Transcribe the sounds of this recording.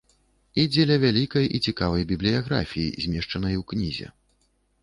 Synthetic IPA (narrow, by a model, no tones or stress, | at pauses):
id͡zʲɛlʲɐvʲalʲikɐjʔit͡sʲikavɐjbʲiblʲijaɣɾa̰fʲijḭzʲmʲɛʂt͡ʂɐnɐjwknʲizʲɛ̰